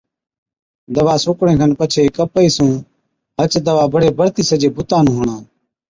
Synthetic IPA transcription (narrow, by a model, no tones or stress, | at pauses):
d̪əʋaːsʊːkɽẽːkʰənpət͡ʃʰeːkəpəiːsũː | ɦət͡ʃd̪əʋaːbəɽeːbəɽt̪iːsəd͡ʒeːbʊt̪aːnũːɦoːɳãː